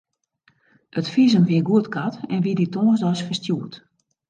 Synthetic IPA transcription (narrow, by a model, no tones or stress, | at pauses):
ətfizəmʋiəɡuətkatɛnʋiditoːnzdɔsfərstjuət